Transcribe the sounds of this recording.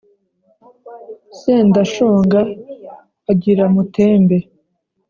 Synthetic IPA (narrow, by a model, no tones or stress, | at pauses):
seːndaʃoːŋɡaː | ɟiɾamuteːmbe